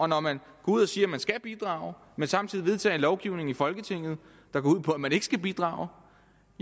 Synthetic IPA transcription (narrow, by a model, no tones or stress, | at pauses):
ɒ̽nɒmæn | ɡ̥ɒuð̞̰ˠɒ̽siːɐmænsɡ̥æb̥id̥ʁɑ̰̈ʊ | mensɑ̈mt͡sʰið̰ˠiʋe̝ð̞ˠt͡sʰɛ̰ːnlɒʊɡ̥iʊne̝ŋ̩ifɒ̽lɡ̥ət͡sʰe̝ŋ̰ð̞̩ˠ | d̥ɑ̈ɡ̥ɒuð̞̰ˠpʰɒ̽æmæne̝ɡ̥ə̥sɡ̥æb̥id̥ʁɑ̰̈ːʊ